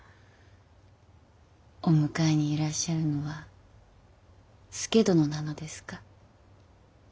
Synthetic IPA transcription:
o̞mɯ̟kaeɲ̟iːɾaɕːaɾɯ̟no̞βa | sɨ̥ke̞d̪o̞no̞nano̞d̪e̞sɨ̥kḁ

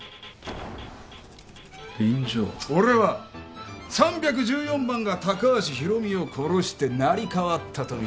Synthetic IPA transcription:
b̥ẽɲd͡ʑo̰ːo̞ɾe̞βa | sãmbʲjak̬ɯ̟d͡ʑɨːjõ̞mbãŋɡat̪akaβaɕiçiɾo̞mʲio̞kʰo̞ɾo̞ɕi̥t̪e̞naɾʲikaβat̪ʰːat̪o̞i

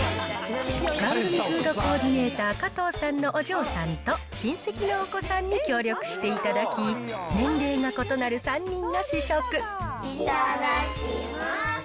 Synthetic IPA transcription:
ɡ̥aɾʲikɯ̟ːd̪o̞ko̞ːd̪ʲine̞ːt̪aːkat̪o̞ːsãnːo̞ʔoʑo̞ːsãnt̪o̞ | ɕĩɰ̃se̞kʲinoːko̞sãɲ̟ːikʲo̞ːɾʲjo̞kɯ̟̥ɕi̥t̪e̞it̪ad̪akʲinẽ̞nɾe̞ːŋako̞t̪o̞naɾɯ̟sãɲ̟ːĩnːo̞ɕiɕokɯ̟

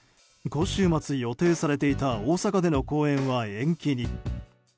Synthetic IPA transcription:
ɡõ̞ɕɨːmat͡sɨjo̞t̪e̞ːsaɾe̞t̪e̞it̪aoːsakad̪e̞no̞ko̞ːẽ̞ɰ̃βaẽ̞ŋkʲiɲ̟i

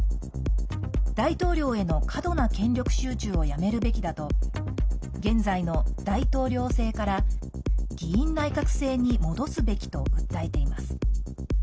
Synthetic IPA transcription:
d̪̥ait̪o̞ːɾʲo̞ːe̞no̞kʰad̪o̞nakẽ̞ɲɾʲo̞kɯ̟̥ɕɨːt͡ɕɨːo̞jame̞ɾɯ̟be̞kʲid̪at̪o̞ | ɡẽ̞nd͡zaino̞d̪̥ait̪o̞ːɾʲo̞ːse̞ːkaɾa | ɡʲiĩnːaikakɯ̟̥se̞ːɲ̟imo̞d̪o̞sɨbe̞kʲi̥t̪o̞̰ɯ̟t̪ːae̞t̪e̞imasɨ̥

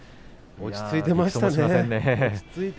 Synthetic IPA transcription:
oi̥t͡sɨit̪e̞maɕit̪aneẽnːet͡sɨit̪

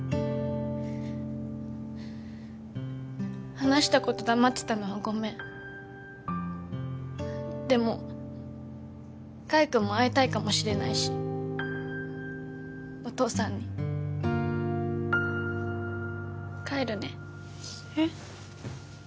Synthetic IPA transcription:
hanaɕi̥t̪ako̞t̪o̞d̪amat̪ːe̥t̪ano̞βaɡo̞mẽ̞ | d̪e̞mo̞ | kaikɯ̟mːo̞ait̪aikamo̞ɕiɾe̞naiɕi̥ | o̞t̪o̞ːsãɲ̟ːi | kaeɾɯ̟ne

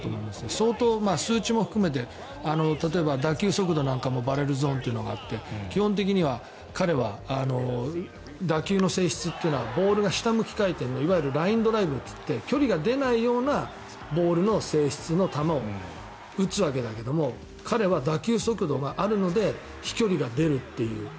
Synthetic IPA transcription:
t̪omo̞ĩd̪sɨneso̞ːt̪o̞ːmaːsɨːt͡ɕimo̞ɸɯ̟̥kɯ̟me̞t̪̬e̞ | ano̞t̪at̪̬o̞e̞bad̪akʲɨːso̞kɯ̟d̪o̞nãŋkamo̞baɾe̞ɾɯ̟zɨõ̞nt̪eiɯ̟noɡa̰t̪ːe̞kʲihõnt̪̬e̞k̬ʲiɲ̟iβ̞a | kaɾe̞βaano̞ | d̪akʲɨːno̞se̞ːɕi̥t͡sɨt̪ːeɯ̟noβabo̞ːɾɯ̟ɡaɕi̥t̪amɯ̟kʲi̥kait̪ẽ̞nːoiβajɯɾɯ̟ɾaĩnd̪o̞ɾaibɯ̟t̪ːɨ̥t̪ːe̞kʲo̞ɾʲiɡad̪e̞naijo̞ːna | bo̞ːɾɯ̟no̞se̞ːɕi̥t͡sɨno̞t̪amao̞ | ɯ̟t͡sɨβak̬e̞d̪ake̞d̪o̞mo̞ | kʰaɾe̞βad̪akʲɨːso̞kɯ̟d̪o̞ɡaʔaɾɯ̟no̞d̪e̞ | çi̥kʲo̞ɾʲiɡad̪e̞ɾɯ̟t̪ːe̞jɯ̟̰ː

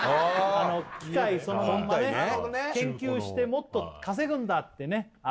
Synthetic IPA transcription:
ano̞kʲikaiso̞nomõnanekẽ̞ŋkʲɨːɕi̥t̪e̞mo̞t̪ːo̞kas̬e̞ɡɯ̟̃nd̪at̪ːe̞ne̞

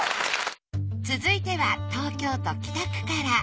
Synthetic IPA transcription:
t͡sɨzɨit̪e̞βat̪o̞ːkʲo̞ːt̪o̞kʲi̥t̪akɯ̟̥kaɾa

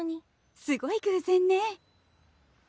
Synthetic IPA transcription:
ɲ̟i | sɨɡo̞ikɯ̟sẽnːe

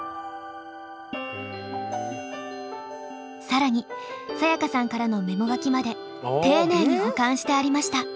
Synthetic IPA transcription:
saɾaɲ̟isajakasãŋkaɾano̞me̞mo̞ɡakʲimad̪e̞ | t̪e̞ːne̞ːɲ̟ihakãɰ̃ɕi̥t̪e̞aɾʲimaɕi̥t̪a

